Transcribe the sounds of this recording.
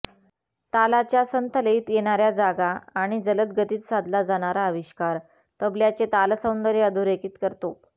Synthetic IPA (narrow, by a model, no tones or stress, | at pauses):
t̪alat͡ɕjasənt̪ələiːt̪jeɽ̃aɾjad͡zaɡaːɽ̃id͡zələt̪̚ɡət̪iːt̪sad̪ʱlad͡zaɽ̃aɾaəʋiɕkaɾ | t̪əbljat͡set̪alsə̃wnd̪əɾeəd̪ʱuɾekiːt̪kəɾt̪o